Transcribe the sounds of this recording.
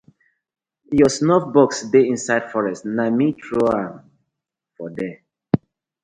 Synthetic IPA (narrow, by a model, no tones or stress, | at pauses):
jɔsnɔfbɔksdeĩnsaɪd̥fɔɹɛstnamitʰɹoãn | fɔdɛ